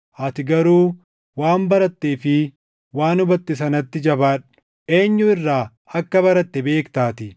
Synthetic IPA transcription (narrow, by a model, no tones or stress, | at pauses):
ʔɐt̪ɪɡɐɾuː | waːmbɐɾɐt̪ːeːfɪ | waːnʊbɐt̪ːɪs̬ɐnɐt̪ːɪd͡ʒɐbaːᶑʊ̥ | ʔe̞ːɲːʊɪrːaː | ɐkːɐβɐɾɐt̪ːɛbe̞ːkt̪aːt̪ɪ